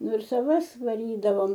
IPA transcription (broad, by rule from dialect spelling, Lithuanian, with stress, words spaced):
ˈnʊ ɪr sɐˈʋɐs ʋɐˈrʲiːdɐʋoːm